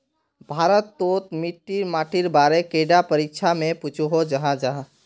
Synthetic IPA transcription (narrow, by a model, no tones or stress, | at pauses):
bʱaːɾət̪ːoːt̪mɪʈːiɾmaːʈʰɪɾbaːɾekeːɖapəɾikʃʰamẽput͡ʃʰuɦod͡ʒɐɦãd͡ʒaɦã